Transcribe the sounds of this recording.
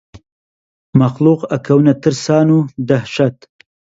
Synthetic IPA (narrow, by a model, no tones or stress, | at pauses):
maxluːqakʰawunat̪ɨɾsɑːnud̪ahʃat̪